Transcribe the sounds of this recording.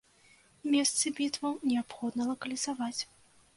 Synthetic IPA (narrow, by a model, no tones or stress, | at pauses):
mʲɛst̪sɨbʲit̪vɐwnʲɛapxɔd̪nɐlˠɐkɐlʲizavat͡sʲ